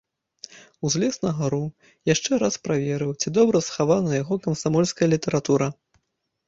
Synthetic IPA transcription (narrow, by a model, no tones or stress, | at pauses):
uzʲlʲɛsnɐɣaɾu | jaʂt͡ʂɛɾaspɾavʲɛɾɨwt͡sʲid̪ɔbɾɐsxavanɐjaɣɔkɐmsamɔlʲskɐjɐlʲit̪ɛɾat̪uɾɐ